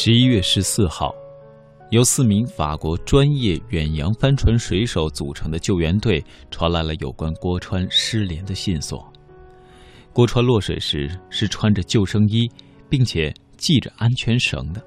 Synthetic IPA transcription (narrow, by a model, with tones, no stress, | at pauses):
ʂɻ̩˧˥i˥ɥɛ˥˩ʂɻ̩˧˥sɹ̩˥˧xɑ̰˥˩ʊ | jo˧˥ʊsɹ̩˥˩mi˧˥ŋfa̰˨˩kwɔ˧˥ʈ͡ʂwa˥njɛ˥˩ɥɛ˨˩njɑ˧˥ŋfa˥nʈ͡ʂʰwa˧˥nʂwe˧˥ɪʂo˧˥ʊt͡su˨˩ʈ͡ʂʰɤ˧˥ŋd̪ə˧t͡ɕjo˥˩ʊɥɛ˧˥nt̪we˥˩ɪ | ʈ͡ʂʰwɑ˧˥la˧˥ɪlə˧jo̰˨˩ʊkwa˥nkwɔ˥ʈ͡ʂʰwa˥nʂɻ̩˥ljɛ˧˥nd̪ə˧ɕi˥˩nswɔ̰˨˩˦ | kwɔ˥ʈ͡ʂʰwa˥nlwɔ˥˩ʂwe˨˩ɪʂɻ̩˧˥ʂɻ̩˥˩ʈ͡ʂʰwa˥nʈ͡ʂə˨t͡ɕjo˥˩ʊʂɤ˥ŋi˥ | pi˥˩ŋt͡ɕʰjɛ˨˩ | t͡ɕi˥˩ʈ͡ʂə˩ʔa˥nt͡ɕʰɥɛ˧˥nʂɤ̰˧˥ŋd̪ə˧